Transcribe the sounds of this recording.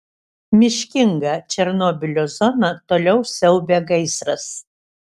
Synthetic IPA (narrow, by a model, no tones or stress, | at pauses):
mʲɪʃʲkʲɪŋɡɐt͡ʃʲɛɾnɔbʲɪlʲoːzɔnɐt̪oːlʲɛʊsʲɛʊbʲeːɡɐɪsɾɐs